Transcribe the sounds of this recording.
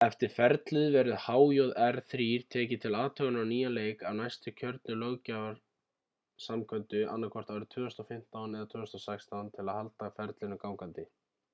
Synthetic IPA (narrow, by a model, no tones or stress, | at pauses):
ɛft̪ɪɾ̥fɛɾt̪lʏðvɛɾʏðhaːwjowðɛɾθɾiːɾ̥t̪ʰɛːcɪt̪ʰɪlaːt̪ʰœɣʏnaniːjaleːjkawnajst̪ʏcʰœɾt̪nʏlœɣcaːvaɾ̥ | samkʰœnt̪ʏʔa̰nːakʰɔr̥t̪aːwɾɪt̪ʰv̥ʏːʏst̪ɔfɪm̥t̪awnɛðat̪ʰʏːʏst̪ɔsɛkst̪awnt̪ʰɪlaðhalt̪afɛɾt̪lɪnʏkawŋkant̪ɪ